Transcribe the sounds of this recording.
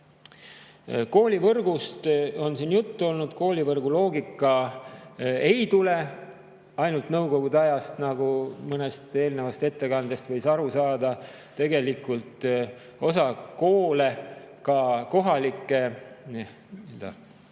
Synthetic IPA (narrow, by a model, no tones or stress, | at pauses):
ko̞ːlʲivɤrɡ̥ust̪o̞nsiːnjut̪ːuo̞lnud̪̥ko̞ːlʲivɤrɡ̥ulo̞ːɡikˑːɑ | e̞jt̪ule̞ | ɑjnult̪nɤwko̞ɡ̥ud̪eɑjɑst̪nɑɡ̥umɤne̞st̪e̞ːlnevɑst̪e̞t̪ːe̞kɑnd̪e̞st̪vɤ̞jsɑɾusɑːd̪ɑ | t̪e̞ɡe̞likːˑult̪ | o̞sɑko̞ːle̞kɑko̞ɦɑlikːˑe̞n | id̪ɑ̰